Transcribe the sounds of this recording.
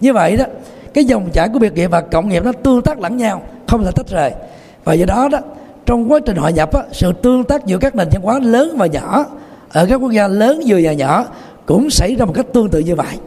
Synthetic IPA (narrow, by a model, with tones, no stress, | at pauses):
ɲɨ˧və̰˧˨jʔɗɔ˨˦ | kaː˨˦jzə˨˩wŋ͡mt͡ɕaː˧˩ku˧˩əi˨˩ət̚ŋḭ˧˨əvaː˨˩kə̰˧˨wŋ͡mŋi˨˩əp̚nɔ˨˦t̪ɨ˧əŋt̪aː˦˥k̚la̰˧˩ŋɲaː˧wxə˧wŋ͡mlaː˨˩t̪ʰə˦˥t̚zəː˨˩j | vaː˨˩zəː˧˩ɗɔ˨˦ɗɔ˨˦ | t͡ɕɔ˧wŋ͡mkwaː˨˦t͡ɕï̟˨˩hwɔ̰˧˨ɲə˨˩p̚ʔaː˨˦sɨ̰˧˨t̪ɨ˧əŋt̪aː˦˥k̚zɨ̰˧˥əkaː˦˥k̚ne˨˩nɲa˧nkwaː˨˦ləː˨˦nvaː˨˩ɲɔ̰˧˩˦ | ʔəː˧˩kaː˦˥kːwu˦˥ək̚zaː˧ləː˨˦nzɨ˨˩əɲaː˨˩ɲɔ̰˧˩ | kʊ̰˧˥ŋ͡msa˧˩jzaː˧mo˨˩t̚ka˦˥k̚t̪ɨ˧əŋt̪ɨ̰˧˨ɲɨ˧və̰˧˨jʔ